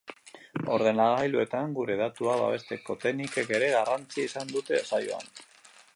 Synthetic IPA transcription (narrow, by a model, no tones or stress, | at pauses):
o̞ɾðe̞naɣajlue̞t̪aŋɡuɾe̞ðat̪uaβa̰β̞e̞st̪e̞ko̞t̪e̞nike̞ke̞ɾe̞ɣarant͡siaisand̪ut̪e̞sajoa̰n